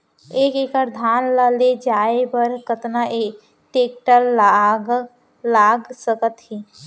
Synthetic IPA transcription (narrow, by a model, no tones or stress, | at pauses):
eːkeːkəɾd̪ʱaːnlaled͡ʒaːebəɾkət̪naʔeː | ʈeːk̚ʈəl | laːɡsəkət̪ɦiː